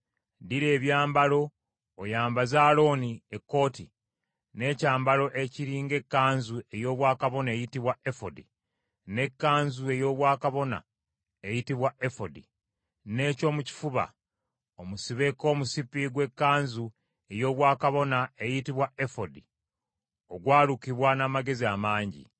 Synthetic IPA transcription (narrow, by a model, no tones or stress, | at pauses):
diɾeːβjaːmbalo̞ː | jaːmbazaːlo̞niekːo̞ːti | ne̞ːcaːmbalo̞ʔeciɾiːŋɡe̞kːaːɲzue̞jo̞ːβwaːkaβo̞nae̞ːjitiβwaefodi | ne̞kːaːɲzue̞jo̞ːβwaːkaβo̞na̰ | ejitiβwaʔe̞fodi | ne̞ːco̞ːmuci̥fuβa̰ | omusiβe̞ko̞ːmusipiɡwe̞kːaːɲzu | e̞jo̞ːβwaːkaβo̞nae̞jitiβwaefodi | o̞ɡwaːlukiβwanaːmaɡe̞ziamaːɲɟḭ